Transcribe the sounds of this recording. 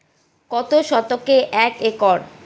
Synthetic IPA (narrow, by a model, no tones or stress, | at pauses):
kɔt̪oʃɔt̪okeʔɛkekɔɾ